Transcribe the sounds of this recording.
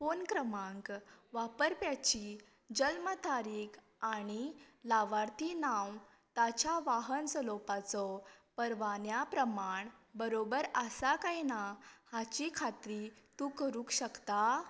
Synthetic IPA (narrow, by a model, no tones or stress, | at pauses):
fonkɾəmãŋkʋapəɾpjat͡ɕi | d͡ʑəlmət̪ʰaɾiːk | aɽ̃ilaʋaɾt̪inãw | t̪at͡ɕaʋaɦənsəlopat͡sɔpəɾʋanjapɾəmaɳbəɾobəɾəsakajnahat͡ɕikʰat̪ɾit̪uːkəɾũːkɕəkt̪a